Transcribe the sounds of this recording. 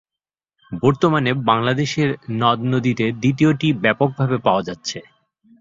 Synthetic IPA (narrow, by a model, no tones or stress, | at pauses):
bɔɾt̪omanebaŋlad̪eʃeɾnɔd̪nod̪it̪ed̪it̪̬ioʈibɛpok̚bʱabepaoad͡ʑatːɕʰe